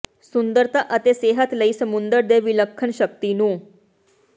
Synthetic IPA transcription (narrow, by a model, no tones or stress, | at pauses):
sund̪əɾt̪ʰaʔət̪eseɦət̪ləiːsəmund̪əɾd̪eʋiləkʰːəɳɕək̚t̪inuː